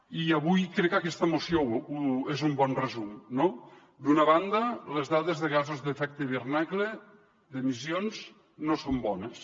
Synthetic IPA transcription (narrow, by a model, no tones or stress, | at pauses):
iaβujkɾɛkːakɛst̪amosjouezumbɔnrezumno | d̪unaβand̪ɐlezðaðezðeɣazozðefɛk̚t̪eβernakle | d̪emisjonz | nosombɔnes